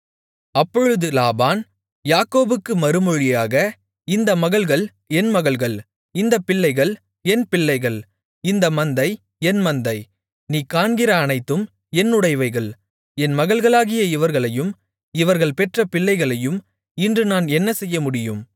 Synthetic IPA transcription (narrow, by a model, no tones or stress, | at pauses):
ɐpːɔɻɯðɯlaːbaːn | jaːkoːbɯkːɯmɐɾɯmɔɻɪjaːɣɐ | ɪnd̪ɐmɐɣɐɭɣɐɭ | ɛnmɐɣɐɭɣɐɭ | ɪnd̪ɐpɪɭːɐɪɣɐɭ | ɛnpɪɭːɐɪɣɐɭ | ɪnd̪ɐmɐnd̪ɐɪ | ɛnmɐnd̪ɐɪ | niːkaːnɡɪɾɐːnɐɪt̪ːɯm | ɛnːʊɽɐɪʋɐɪɣɐɭ | ɛnmɐɣɐɭɣɐɭaːɣɪjɐɪʋɐɾɣɐɭɐjɯm | ɪʋɐɾɣɐɭpɛʈrɐpɪɭːɐɪɣɐɭɐjɯm | ɪndrɯnaːnɛnːɐsɛjːɐmʊɽɪjɯm